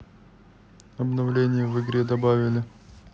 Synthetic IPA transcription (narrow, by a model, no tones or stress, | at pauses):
ɐbnɐvlʲenʲɪjəvɨɡɾʲed̪ɐbavʲɪlʲɪ